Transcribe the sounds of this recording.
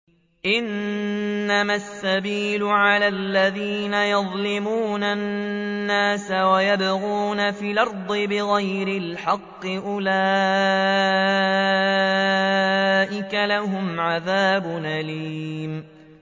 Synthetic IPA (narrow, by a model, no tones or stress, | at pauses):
ʔɪnː | amasːabiːlʊʕalaːlːaðiːnajɑðˤlɪmuːnanːaːsawajabaɣuːnafiːlʔɑɾˤd̪ˤɨbɪɣajɾɪlħɑqːɨʔʊla | ʔɪkalahʊmʕaðaːbʊʔaliːm